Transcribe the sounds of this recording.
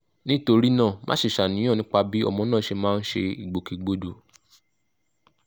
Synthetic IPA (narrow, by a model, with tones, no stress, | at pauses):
nĩ˦to˧ɾi˦nãː˦˨mʔã̰ː˦ʃi˦˨ʃa˨nĩ˨˦j̃ɔ̃˦˨nĩ˦k͡pa˧bi˦ɔ̰˧mɔ̃˨˦nã˦˨ʃe˧mãː˦˧n̩˦ʃe˧i˨ɡ͡bo˨ki˧ɡ͡bo˦do˨